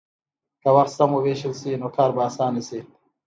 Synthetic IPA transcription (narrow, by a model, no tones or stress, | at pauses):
kɐwɐɾsɐmoweːɕilsiːnokʰaːɾbaːsaːnisi